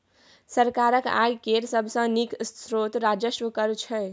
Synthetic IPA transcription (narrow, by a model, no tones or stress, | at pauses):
səɾkaɾəka̰jkeɾsəbʱsə̃nikːɾot̪ɾad͡ʒəsʋəkəɾt͡ʃʰɛ